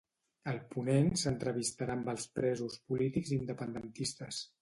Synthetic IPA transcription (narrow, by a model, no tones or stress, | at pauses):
əlˠpunensənt̪ɾəβ̞ist̪aɾambəlˠspɾɛzuspulit̪iɡzind̪əpənd̪ənt̪ist̪əs